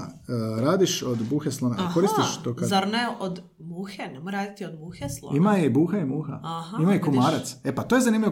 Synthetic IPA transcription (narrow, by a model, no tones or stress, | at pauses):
ɾaːd̪iʃod̪buːxeslˠonekoɾist̪iʃt̪okazaɾneʔod̪ | muxenemojɾaːd̪it̪iod̪muːxeslˠo̰imaibuːxaimuːxa̰ahaimaikumaːɾat̪sepat̪oje̞zaniːmlʲʎiʋo